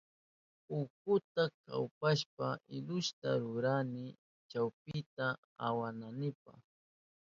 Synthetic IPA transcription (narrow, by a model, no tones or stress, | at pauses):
ʊkʊt̪aka̰wpaʃpaʔɪʎʊʃt̪a̰ɾʊɾanɪ | t͡ʃawpɪt̪a | awananɪpa̰χ